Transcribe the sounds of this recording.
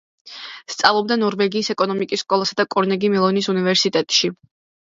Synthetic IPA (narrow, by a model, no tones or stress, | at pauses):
st̪sʼavlˠɔb̚d̪anɔɾvɛɡiːsɛkʼɔnɔmikʼisːkʼɔlˠasad̪akʼɔɾnɛɡimɛlˠɔnisunivɛɾsit̪ʼɛt̪ʼʃi